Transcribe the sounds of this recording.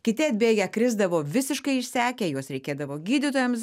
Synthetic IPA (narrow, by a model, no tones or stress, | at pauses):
kʲɪt̪ʲɪɐd̪ʲbʲeːɡʲɛkɾʲɪzd̪ɐʋoːʋʲɪsʲɪʃkɐɪɪʃʲsʲæːkʲeːjuɔsɾʲɛɪkʲeːd̪ɐʋoːɡʲiːd̪ʲɪt̪oːjɛms